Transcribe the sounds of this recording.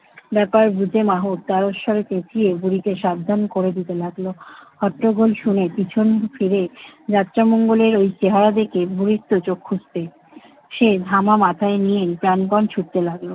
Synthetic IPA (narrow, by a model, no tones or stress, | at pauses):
bɛpaɾbud͡ʑemaɦot̪t̪aɾoʃʃɔɾet̪ẽt͡ɕʰijebuɾik̪eʃabd̪ʱankoɾed̪it̪elaɡlohɔʈɾoɡʱolʃunepit͡ɕʰonfʰiɾed͡ʑat̪ːɾamoŋɡoleɾojt͡ɕeɦaɾad̪ekebuɾiɾt̪ːot͡ɕokʰːud͡ʑbe | ʃed̪ʱamamat̪ʰaenijenpɾanbɔnt͡ɕʰuʈ̚t̪elaɡlo